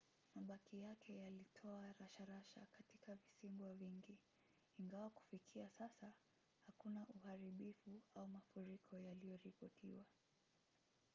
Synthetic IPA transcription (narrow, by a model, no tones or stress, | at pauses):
maɓakijakʰɛjalitʰɔaɾaʃaɾaʃa̰katikavisiŋɡwaviŋɡiː | ŋɡawaku̥fikʰiasasa | hakunaʔuhaɾiɓifuaumafuɾikʰɔjalijɔɾipɔtʰiwa